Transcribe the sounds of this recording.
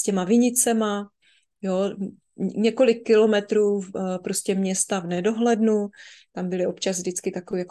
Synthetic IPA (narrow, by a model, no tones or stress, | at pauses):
scɛmavɪɲɪt͡sɛma | jo | ɲɛko̞lɪkːɪlo̞mɛt̪ɾuːpɾoscɛmɲɛst̪avnɛdo̞ɦlɛdnut̪ambɪlɪo̞pt͡ʃazvdɪt͡skɪt̪akojako